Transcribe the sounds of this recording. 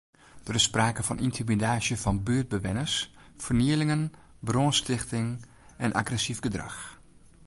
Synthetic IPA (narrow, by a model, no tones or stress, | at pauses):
d̥ərɪsːpraːkəfɔnʔintʰimidaːsjəfɑnbyːəd̚bəʋɪnəs | fərniəlɪŋən | bronstɪxtɪŋ | ɛnʔa̰ɡrɛsifɡədrɑ̰x